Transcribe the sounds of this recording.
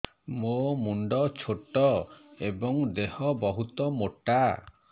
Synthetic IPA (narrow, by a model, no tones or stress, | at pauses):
momuɳɖɔt͡ʃʰoʈɔebɔŋd̪ehɔbɔɦut̪ɔmoʈa